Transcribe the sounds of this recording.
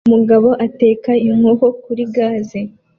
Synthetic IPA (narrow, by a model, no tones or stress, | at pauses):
umuɡaβo̞ʔate̞ːkaiŋ̥ohokuɾiɡaːze